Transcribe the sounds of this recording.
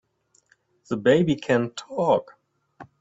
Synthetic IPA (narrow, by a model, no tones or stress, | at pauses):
ðəbeɪbikʰæ̃ntʰɔk